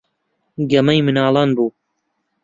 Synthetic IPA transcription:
ɡɐmɐjmɨnaːlˠɑːnbuː

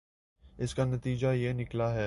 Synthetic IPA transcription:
ɪskanɐt̪iːd͡ʒajeːnɪklaɦɛː

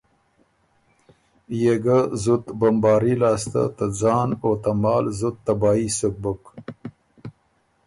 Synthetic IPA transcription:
jeɡazut̪bambɑːɾilɑːst̪a̰t̪ad͡zɑːnot̪amɑːlzut̪ːabɑːisək̚buk

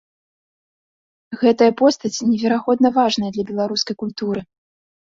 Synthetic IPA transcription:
ɣɛt̪ɐjɐpɔst̪ɐt͡sʲnʲɛvʲɛɾaɣɔd̪nɐvaʐnɐjɐd̪lʲɐbʲɛlˠaɾuskɐjkulʲt̪uɾɨ

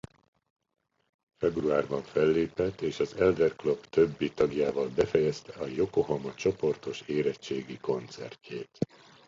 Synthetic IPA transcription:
fɛbruaːrbɒɱfɛlːeːpɛt̪ːeːʃɒzɛld̪ɛrklobt̪øbːit̪ɒɡjaːvɒlbɛfɛjɛst̪ɛɒjo̞ko̞ɦɒmɒt͡ʃo̞po̞rt̪o̞ʃeːɾɛt͡ʃt͡ʃːeːɡiko̞nt̪sɛ̰rcʰːeːt̪

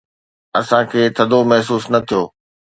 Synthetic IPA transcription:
ɐsãkʰeːt̪ʰɐd̪ʱomɐɦs̬uːsnɐt̪ʰijoː

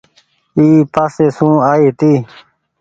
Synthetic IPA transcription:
iːpaːseːsũːaːiːt̪iː

